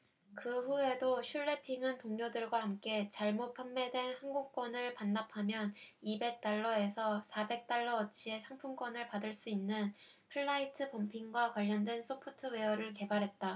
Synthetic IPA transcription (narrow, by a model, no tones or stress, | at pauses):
kɯɸue̞doɕʰuɭːe̞pʰiŋɦantoŋɲodɯɭɡwaɦamk͈e̞t͡ɕaɭmot̚pʰjamːe̞dwe̞nhanɡuk̚k͈wʌnɯɭpanːapʰamjʌnibe̞k̚t͈aɭːʌe̞sʰʌsʰabe̞k̚t͈aɭːʌʌt͡ɕʰie̞sʰaŋpʰumk͈wʌnɯɭpadɯɭs͈uinːɯn | pʰɯɭːaitʰɯpʌmpʰiŋɡwakwaʎːʌndwe̞nsʰopʰotʰɯwe̞ʌɾɯɭke̞baɾɦe̞t̚t͈a